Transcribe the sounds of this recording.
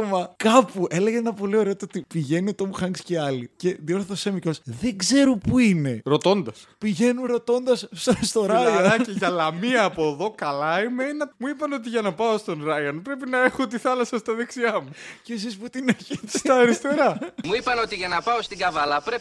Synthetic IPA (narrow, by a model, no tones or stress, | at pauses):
omɐkɐpuʔe̞le̞ɣeenɐpo̞lio̞ɾe̞ot̪ot̪ipiʝe̞niot̪omuxɐŋɡsceɐlice̞ðio̞ɾθeθosemicosðe̞ɡze̞ɾupuine̞ɾo̞t̪o̞nd̪ɐspiʝe̞nunɾo̞t̪o̞nd̪ɐsst̪o̞ɾɐjɐiʝɐlɐmiɐːpoðo̞kɐlɐimeinɐmuipɐno̞t̪̬iʝɐnɐpɐost̪o̞nɾɐjɐnpɾe̞pinɐe̞xot̪̬iθɐlɐsɐst̪ɐðeksiɐmucesisput̪ineçisɐːɾist̪e̞ɾɐmuipɐno̞t̪iʝɐnɐpɐost̪iɡɐvɐlɐpɾe